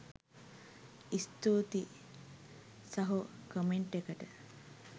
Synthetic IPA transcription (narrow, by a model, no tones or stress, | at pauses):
ist̪oːt̪i | sɐɦukəmeɳʈekəʈə